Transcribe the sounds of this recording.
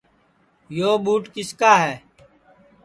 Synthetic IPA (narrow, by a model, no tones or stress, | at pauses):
joːɓuːʈkɪskaːɦɛː